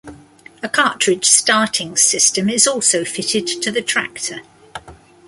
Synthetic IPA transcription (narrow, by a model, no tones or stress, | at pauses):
əkʰɑˑt͡ʃɹ̥ɪd̥ʒ̥stɑˑtʰɪ̃ŋsɪstə̃mɪzɔˑlˠsəʊfɪtʰɪdtʰəðətʰɹ̥a̰ktʰə